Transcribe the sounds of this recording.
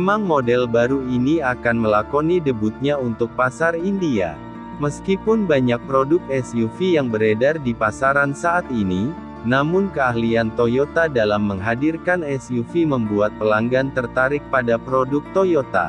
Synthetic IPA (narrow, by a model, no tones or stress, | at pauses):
memaŋmodɛlbaɾuiniakanməlakonidəbut̪̚ɲaunt̪ʊk̚pasarindia̰ | məskipʊnbaɲak̚pɾodʊk̚ɛsjufijaŋbəɾedardipasaɾansaːt̪ini | namʊnkəaɦliant̪ojot̪adalamːəŋɦadirkanɛsjufiməmbuat̪̚pəlaŋɡant̪ərt̪aɾɪk̚padapɾodʊk̚t̪ojot̪a̰